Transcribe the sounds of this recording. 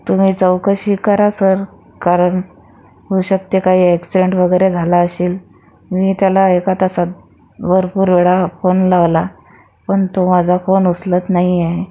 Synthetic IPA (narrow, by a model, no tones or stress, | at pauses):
t̪um̤iːt͡səwkəɕiːkəɾasəɾ | kaɾəɳ | ɦouɕək̚t̪jekaɦiːeksiɖeɳʈʋəɡəjɾed͡zʱalaəɕiːl | miːt̪jalaekat̪asat̪̚ | ʋəɾpuːɾʋeɭafonlaʋla | pəɳt̪omad͡zʱafonuslət̪naɦiaɦe